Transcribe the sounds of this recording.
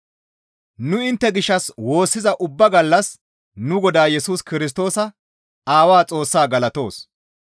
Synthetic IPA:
nʊɪnt̪ːɛɡɪʃːɐswo̞ːsːɪzɐʔʊbːɐɡɐlːɐs | nʊɡɔd̪aːjɛsuːskɪɾɪs̬t̪o̞ːsɐ | aːwaːt͡sʼo̞ːsːaːɡɐlɐt̪o̞ːs

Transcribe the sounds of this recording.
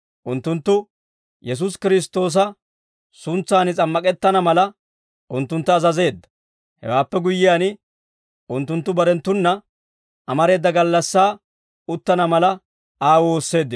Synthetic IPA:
ʔʊnt̪ːʊnt̪ːʊ | jɛs̬us̬kɪɾɪs̬t̪o̞ːs̬ɐ | sʊnt͡sːaːnɪt͡sʼɐmːɐkʼɛt̪ːɐnɐmɐlɐ | ʔʊnt̪ːʊnt̪ːʊɐzɐze̞ːd̪ːɐ̥ | hɛ̰waːpːɛɡʊjːɪjaːnɪ | ʔʊnt̪ːʊnt̪ːʊbɐɾɛnt̪ːʊnːɐ | ʔɐmɐɾe̞ːd̪ːɐɡɐlːɐsːaː | ʊt̪ːɐnɐmɐlɐ | aːwoːsːe̞ːd̪ːɪ

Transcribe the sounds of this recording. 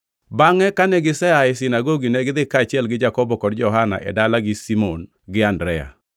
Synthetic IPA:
baŋɛkanɛɡɪsɛaɪs̬ɪnaɡoɡinɛɡɪd̪ɪkat͡ʃɪɛlɡɪd͡ʒakɔbɔkɔdd͡ʒɔɦana̰ʔɛ̰dalaɡɪsimon | ɡɪandɾɛa̰

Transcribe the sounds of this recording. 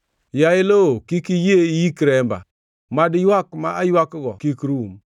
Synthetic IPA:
jailokikijejikiɾemba̰ | madijakmaajwakːɡɔkikiɾuum

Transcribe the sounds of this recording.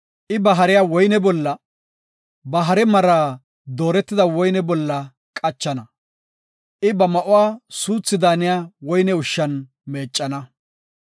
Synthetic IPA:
ʔɪbɐɦɐɾɪjawɔjnɛbɔlːɐ | bɐɦɐɾɛmɐɾaː | d̪oːɾɛt̪ːɪd̪ɐwɔjnɛbɔlːɐ | kʼɐt͡ʃːɐnɐ | ʔɪbɐmɐʔʊwaːsuːt͡sːɪd̪aːnɪjaːwɔjnɛʊʃːɐn | meːt͡ʃʼːɐnɐ

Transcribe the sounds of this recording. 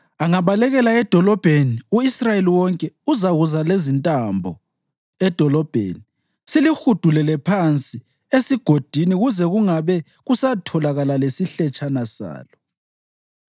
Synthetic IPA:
aŋaβalɛɣɛlaɛd̥ʱɔlɔb̥ʱeniuisrajeliwɔŋkʼɛuzaɣuzalezintʼambʱɔ̰ | ɛd̥ʱɔlɔb̥ʱḛːni | silixud̥ʱulɛlɛpʰant͡sʼi | esiɡ̥ʱod̥ʱiniɣuzɛɣuŋaβɛ | ɣusatʰɔlaɣalalesiɬɛt͡ʃʼanasa̰ːlɔ

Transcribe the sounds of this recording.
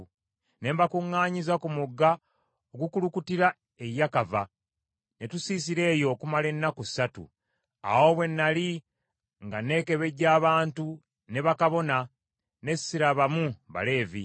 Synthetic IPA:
ne̞mbakuŋːaːɲizakumuɡːa | oɡukulukutiɾa | e̞jːakava | ne̞tusiːs̬iɾe̞ːjo̞kumale̞nːakusatṵ | a̰wo̞ːβwe̞nːali | ŋɡane̞ːke̞βe̞ɟaːβaːntu | ne̞βakaβo̞na | ne̞sːiɾaβamuβa̰le̞ːvḭ

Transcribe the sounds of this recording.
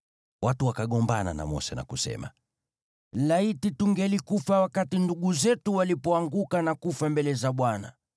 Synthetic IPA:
watuwakaɠɔmbana̰na̰mɔ̰sɛna̰kusɛ̰ma̰ | laitituŋɡɛlikufawakatinduɠuzɛtuwalipɔaŋɡukanakufambɛlɛzaɓwana̰

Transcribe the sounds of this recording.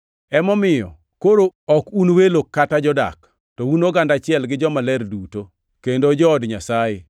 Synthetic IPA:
ɛmɔmɪjɔ̰ | koɾoɔkunwelokːatad͡ʒɔda̰k | tɔwunoɡandat͡ʃɪɛlɡɪd͡ʒɔmalɛɾduto | kendod͡ʒɔːdɲasaje

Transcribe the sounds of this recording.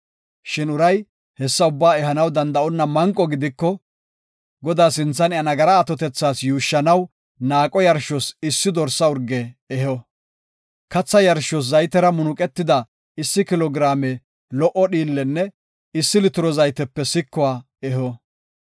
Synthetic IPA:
ʃɪnʊɾɐj | hɛsːɐʊbːaːɛɦɐnɐwd̪ɐnd̪ɐʔɔnːɐmɐŋkʼːɔɡɪd̪ɪkːɔ | ɡɔd̪aːsɪnt͡sːɐnɪɐnɐɡɐɾɐːt̪ɔt̪ɛt͡sːaːsjuːʃːɐnɐw | naːkʼɔjɐɾʃɔsɪsːɪd̪ɔɾsːɐʊɾɡɛɛhɔ | kɐt͡sːɐjɐɾʃɔs̬zɐjt̪ɛɾɐmʊnʊkʼɛt̪ːɪd̪ɐ | ɪsːɪkɪlɔɡɾaːmɛ | lɔʔɔɗiːlːɛnːɛ | ɪsːɪlɪt̪ʊɾɔzɐjt̪ɛpːɛsɪkːɔaː | ɛɦɔ

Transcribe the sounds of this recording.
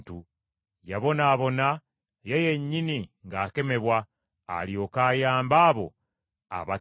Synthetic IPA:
tu | jaβo̞naːβo̞na | jeje̞ɲːiniŋɡaːke̞me̞βwa̰ː | ljo̞ːkaːjaːmbaːβo̞̰ | a̰βa

